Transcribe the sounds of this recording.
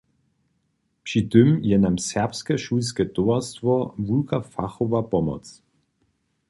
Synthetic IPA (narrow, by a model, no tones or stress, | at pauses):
pʃidʏmjɛnamsɛɐpskəʃusɡ̥əd̥oːɐstvɔvulɡafaχovabɔmɔ̰t͡s